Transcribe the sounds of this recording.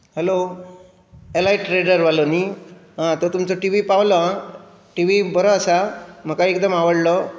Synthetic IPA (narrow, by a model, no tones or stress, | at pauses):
helo | elaiʈɾeɖəɾʋaloniɦãt̪ot̪umt͡sɔʈiʋipawlɔã | ʈiʋibəɾəːsam̤əkaekd̪əmaʋəɽlɔ